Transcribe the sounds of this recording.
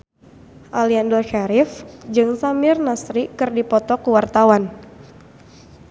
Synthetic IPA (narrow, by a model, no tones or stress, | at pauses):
ʔaliandɔrʃaɾɪfd͡ʒɨŋsamɪrnasɾikɨrdipɔt̪ɔkuwart̪awan